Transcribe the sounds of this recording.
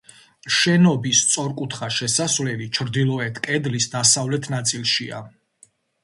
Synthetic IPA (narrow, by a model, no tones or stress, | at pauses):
ʃɛnɔbist̪sʼɔɾkʼut̪ʰχaʃɛsasvlɛlit͡ʃʰɾd̪ilˠɔɛt̪ʰkʼɛd̪lisd̪asavlɛt̪ʰnat̪sʼilˠʃia̰